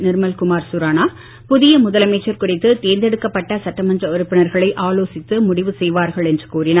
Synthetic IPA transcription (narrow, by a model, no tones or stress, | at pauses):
nɪɾmɐlkʊmaːɾsʊɾaːnaː | pʊðɪjɐmʊðɐlɐmeːt͡ʃːɐɾkʊrɪt̪ːɯt̪eːnd̪ɛɽɯkːɐpːɐʈːɐsɐʈːɐmɐndrɐɔɾɯpːɪnɐɾɣɐɭɐɪʔaːloːsɪt̪ːɯmʊɽɪʋɯsɛjʋaːɾɣɐɭɛndrɯkuːrɪna